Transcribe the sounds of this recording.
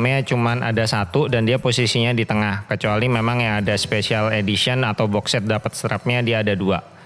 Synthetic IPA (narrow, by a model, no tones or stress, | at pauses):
mɲat͡ʃumana̰dasat̪udandiaposisiɲadit̪əŋahkət͡ʃualimemaŋjaŋadaspesialedisiɔnat̪awbɔksɛt̪̚dapət̪̚st̪ɾap̚ɲadiaːdadua̰